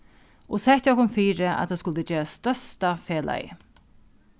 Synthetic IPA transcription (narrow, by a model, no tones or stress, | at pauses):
ɔsɛt̪ɔkʊmfiːɾəʔa̰t̪ʰaːskʊlt̪əd͡ʒeːɾast̪œst̪afeːlʔa̰ɪ̰